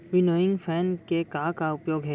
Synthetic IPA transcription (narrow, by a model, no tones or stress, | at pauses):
ɾɪnoːɪ̃ŋɡfʰɛːnkekakaʊpjoːɡɦɛː